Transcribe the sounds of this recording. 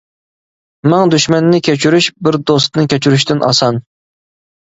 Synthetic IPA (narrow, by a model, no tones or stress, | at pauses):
mæŋd̪yʃmɛnːɪkʲʰet͡ʃʰyɾyʃbɪɾd̪ost̪nɨkʲʰet͡ʃʰyɾyʃ̬t̪ɪnʔɑ̰sɑn